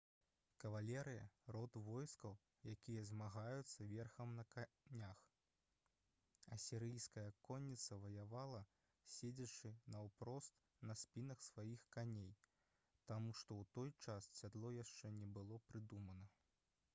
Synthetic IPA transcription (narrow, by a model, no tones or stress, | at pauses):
kɐvalʲɛɾɨjɐ̰rɔt̪vɔjskɐw | jakʲijɐzmaɣajut̪sːɐvʲɛrxɐmnɐka | nʲax | ɐ̰sʲɛɾɨjskɐjɐkɔnʲːit̪sɐvɐjavalˠɐ | sʲed͡zʲɐt͡ʂɨnɐwpɾɔst̪ | nɐsʲpʲinɐxsvajixkanʲej | t̪amuʂt̪ɔwt̪ɔjt͡ʂassʲad̪lˠɔjaʂt͡ʂɛnʲɛbɨlˠɔpɾɨd̪umɐnɐ